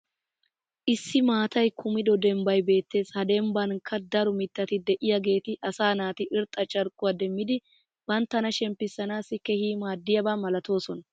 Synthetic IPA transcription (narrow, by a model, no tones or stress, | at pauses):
ʔɪsːɪmaːt̪ɐjkʰʊmɪd̪ɔd̪ɛmbɐjbe̞ːt̪ːe̞ːshɐd̪ɛmbɐnkʰːɐd̪ɐɾɔmɪt̪ːɐt̪ɪd̪ɛʔɪjɐɡe̞ːt̪ɪʔɐsaːnaːt̪ɪʔɪɾt̪ʼːɐt͡ʃʼɐɾkʼːʊwad̪ɛmːɪd̪ɪ | bɐnt̪ːɐnɐʃɛmpːɪsːɐnaːsɪkːɛhiːmaːd̪ːɪjɐbaːmɐlɐt̪o̞ːsɔnɐ